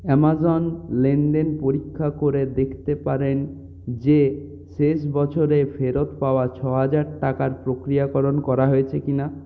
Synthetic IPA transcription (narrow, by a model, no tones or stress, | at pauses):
ɛmazɔnlenɖenpoɾikʰːakoɾed̪ekʰt̪epaɾen | d͡ʑe | ʃeʃ̬bɔt͡ɕʰoɾepʰeɾot̪paoat͡ɕʰɔɦad͡ʑaɾʈakaɾpɾokɾijakɔɾonkɔɾaɦojet͡ɕʰekina